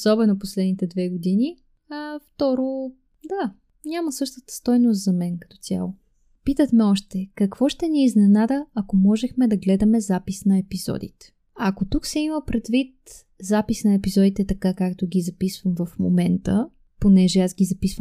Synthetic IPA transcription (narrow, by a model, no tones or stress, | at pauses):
osɔbɛnoposlɛd̪nit̪ɛd̪vɛɡod̪ini | ɐft̪ɔɾo | d̪a | nʲaməsɤʃt̪ət̪ə̥st̪ɔjnost̪zɐmɛnkɐ̥t̪ɔ̥t̪sʲja̰lˠo | pit̪ət̪mɛɔʃt̪ɛkɐkv̥ɔʃt̪ɛniːznɛnad̪əɐkomɔʒɛxmɛd̪ɐɡlɛd̪ɐmɛzapisnɐɛpizɔ̰d̪ḭt̪ɛ̥ | ɐkot̪uksɛiməpɾɛd̪vit̪ | zapisnɐɛpizɔd̪it̪ɛt̪ɐkakakt̪oɡʲizɐpisvəmvɐfmo̰mɛnt̪ə | ponɛʒɛasɡʲizɐpisvəm